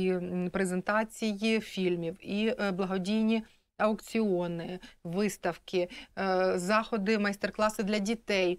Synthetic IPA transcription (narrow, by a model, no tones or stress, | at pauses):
pɾezent̪ɑt͡sʲijifʲilʲmʲiwiblˠɐɦɔdʲijnʲi | ɐwkt͡sʲiɔnɪʋɪst̪ɐwkɪ | zɑxɔd̪ɪmɐjst̪erklˠɑsɪd̪lʲɐdʲit̪ɛj